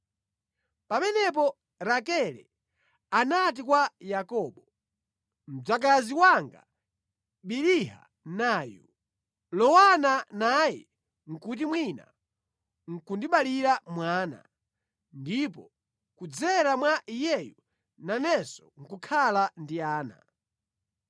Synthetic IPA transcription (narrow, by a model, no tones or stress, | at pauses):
pamɛnɛp̬ɔ | ɾakɛlɛ̰ | anat̬ikwajakɔːɓɔ | m̩d͡zak̬aziwaŋɡa̰ | ɓiɾiɦa̰ | naːjṵ | lɔwananajɛ̰ | ŋ̩kut̬imwina̰ | ŋ̩kundiɓaliɾamwaːna̰ | ndipɔ | kud͡zɛɾamwaʔijɛju | nanɛsɔŋ̩kukʰalandiaːna̰